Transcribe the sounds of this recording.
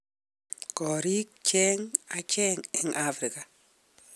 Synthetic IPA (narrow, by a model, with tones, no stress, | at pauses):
kɔ˨ɾi˦k̚t͡ʃɛ˦ŋa˨t͡ʃɛ˦ŋɛ˨ŋʔafɾɪ˨ka˨